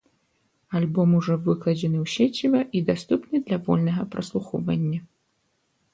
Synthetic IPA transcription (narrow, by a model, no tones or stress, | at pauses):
alʲbɔmuʐɔvɨklˠɐd͡zʲɛnɨwsʲɛt͡sʲivɐʔid̪ast̪upnɨd̪lʲɐvɔlʲnɐɣɐpɾɐslˠuxɔvɐnʲːɐ